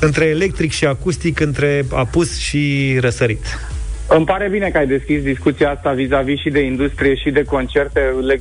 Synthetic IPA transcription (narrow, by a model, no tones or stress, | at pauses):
ɨnt̪ɾe̞ːle̞k̚t̪ɾikʃiakust̪ikɨnt̪ɾe̞apusʃiɾəsəɾit̪ | ɨmpaɾe̞bine̞kəajd̪e̞skʲisd̪iskut̪siaast̪avizaviʃid̪e̞ind̪ust̪ɾije̞ʃid̪e̞ko̞nt͡ʃe̞rt̪e̞le